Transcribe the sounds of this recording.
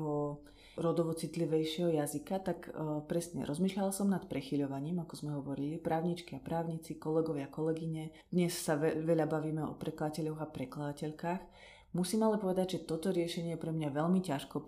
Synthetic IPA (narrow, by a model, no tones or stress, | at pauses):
ʋɔ | ɾɔd̪ɔʋɔt͡sit̪liʋɛjʃɪɛɦɔjazikat̪akpɾɛsɲɛ̰ɾɔzmiːʃʎalsɔmnat̪pɾɛxiʎɔʋaɲiːmakɔzmɛɦɔʋɔɾilipɾʔaːʊɲit͡ʃkiapɾaːʊɲit͡sikɔlɛɡɔʋɪakɔlɛɡiɲɛ | d̪ɲɛssaɛʋɛʎabaʋiːmɛɔ̰pɾɛklad̪acɛʎɔɣapɾɛklad̪acɛʎkaːx | musiːmalɛpɔʋɛd̪aɟʒɛt̪ɔt̪ɔɾɪɛʃɛɲɪɛjɛpɾɛmɲaʋɛʎmicaʃkɔ